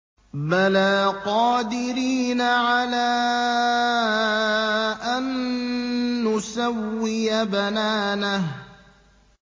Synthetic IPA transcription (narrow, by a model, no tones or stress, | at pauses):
balaːqɑːd̪ɪɾiːnaʕalaː | ʔanː | ʊsawːɪjabanaːnah